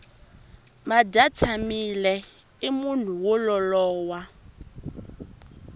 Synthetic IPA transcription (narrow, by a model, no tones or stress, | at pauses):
madatʰamilɛ | imun̤uwɔlɔlɔːwa